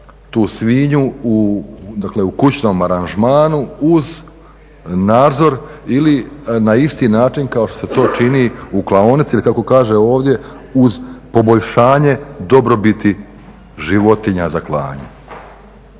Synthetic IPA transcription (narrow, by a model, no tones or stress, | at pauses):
t̪uːsʋiːɲuud̪akle̞ukut͡ɕno̞maɾanʒmaːnuuz | naːd̪zo̞ɾilinaist̪iːnaːt͡ʃinkao̞ʃt̪oset̪o̞ːt͡ʃiniuklˠaonit̪silikako̞kaːʒeo̞ːʋd̪je̞ | uzpo̞bo̞ʎʃaːɲe̞d̪o̞bɾo̞bit̪i | ʒiʋo̞t̪iɲazaklˠa̰ːɲḛ